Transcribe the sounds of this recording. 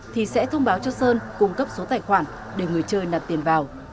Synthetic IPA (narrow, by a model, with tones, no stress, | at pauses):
t̪ʰi˨˩sɛ̰˧˥t̪ʰə˧wŋ͡mɓaː˨˦wt͡ɕɔ˧səː˧nkʊ˨˧˩ŋ͡mkə˦˥p̚so˨˦t̪aː˧˩jxwaː˧˩n | ɗe˧˩ŋɨ˨˩əjt͡ɕəː˧jna˨˩m̚t̪i˨˩ənvaː˨˩w